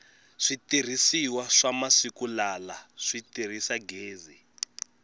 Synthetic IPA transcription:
ʂitir̤isiwaʂamasikulalaʂitir̤isaɡeːzi

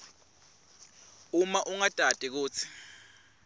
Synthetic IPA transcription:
umaʔuŋad̥ʼʱad̥ʼik̬uːt͡sʰi̥

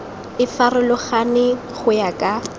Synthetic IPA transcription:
ɪfarʊlʊχanɪ | χʊjakʼa

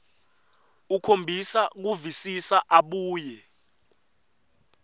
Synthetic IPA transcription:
ukʰombʱisak̬uvisisaʔaɓuːjɛ

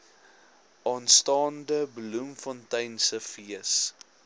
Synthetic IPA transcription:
ʔɑːnstɑːndəblumfɔntɛjnsəfiəs

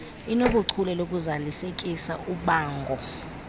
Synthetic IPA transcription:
inok̬uǀʰulɛlok̬ʼuzalisek̬ʼisa̰uɓaːŋɡʱɔ

